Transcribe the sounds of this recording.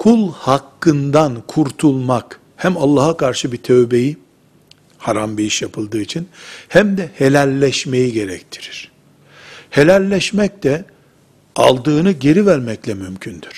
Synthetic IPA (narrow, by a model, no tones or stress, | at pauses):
kʰulˠhakːɯnd̪ankʰuɾt̪ʰulˠmak | hæmalˠːaːhakʰaɾʃɯbit̪ʰøvbe̞ji | haɾambiiʃjapʰɯlˠd̪ɯːit͡ʃʰinhæmd̪ɛhelʲælʲːɛʃme̞jiɟe̞ɾɛct̪ʰi̥ɾiɾ̥ | he̞lʲælʲːɛʃmɛc̚t̪ɛ | a̰lˠd̪ɯːnɯɟe̞ɾivæɾmɛclʲɛmymcʰynd̪yɾ̥